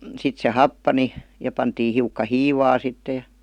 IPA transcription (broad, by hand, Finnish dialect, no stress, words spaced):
sit se hɑpːɑni jɑ pɑntiː hiukːɑ hiːʋɑː sitːe